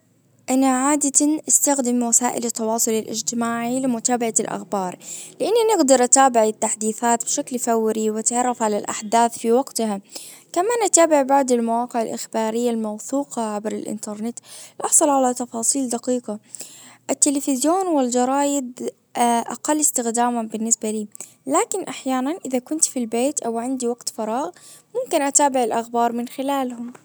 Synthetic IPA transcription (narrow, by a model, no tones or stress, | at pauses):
ʔanaʕaːd̪at̪anʔɪst̪axd̪ɪmwasaːʔɪ̰lɪt̪ːɑwɑːsˤʊlɪlʔɪ̰d͡ʒt̪ɪmaːʕilɪmʊt̪aːbaʕalʔa̰xbɑːɾˤlɪʔanːanɪɡd̪ɑɾˤʔat̪aːbɪʕɪt̪ːaħd̪iːθaːt̪bɪʃaklfawːɾiwɪt̪ʕɑrˤːɑfʕalalʔa̰ħd̪aːθfiwɑɡt̪ha | kamaːnʔat̪aːbɪʕbaʕd̪ɪlmawɑːqɪʕɪlʔɪxbɑːɾɪjːalmɑwθuːqɑʕabɾɪ̰lʔɪ̰nt̪ɑɾˤnɪt̪lʔɑħsˤɑlʕalat̪ɑfɑːsˤiːld̪ɑqiːqɑʔɪt̪ːɪlɪfɪzjoːnwɪld͡ʒɑɾˤɑːjɪd̪ | ʔa̰qɑlːɪst̪ɪxd̪aːmabɪnːɪsbaliː | laːkɪnʔaħjaːnanʔɪðakʊnt̪filbeːt̪ʔawʕand̪iwɑqt̪fɑɾˤɑːɣ | mʊmkɪnʔat̪aːbɪʕɪlʔaxbɑːɾˤmɪnxɪlaːlhʊm